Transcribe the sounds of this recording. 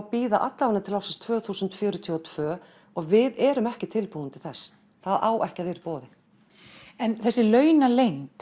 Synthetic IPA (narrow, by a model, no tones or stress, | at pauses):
piːðaʔat̪lawanɪt̪ʰɪlawsɪnst̪ʰvœːθuːsʏnt̪fjœːɾʏt̪ʰiːɔt̪ʰv̥œː | ɔɣvɪðɛːɾʏmɛhcɪt̪ʰɪlpuːnt̪ɪθɛsː | θaðaːwʔɛhcɪavɛːɾɪ̥pɔːðɪ | ɛnθɛsːɪlœːɥnalejnt̪